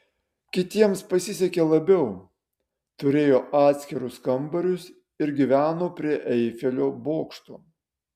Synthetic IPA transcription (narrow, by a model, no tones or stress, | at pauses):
kʲɪt̪ʲiɛmspɐsʲɪsʲɛkʲeːlˠɐbʲɛʊ | t̪ʊɾʲeːjoːʔɑːt̪ʲsʲkʲɪɾʊskɐmbɐɾʲʊs | ɪɾɡʲiʋʲæːnoːpʲɾʲiɛʔɛɪfʲɛlʲoːboːkʃt̪o̰ː